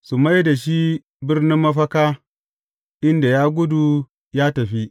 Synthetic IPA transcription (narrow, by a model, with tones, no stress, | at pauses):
su˨ma˦jda˨ʃi˦ | bɪ˦rnɪ˦mːɐ˦ɸɐ˦kaː˦ | ʔɪ˦nda˨jaː˦ɡʷʊ˦du˨ | jaː˦tɐ˨ɸi˦ʔ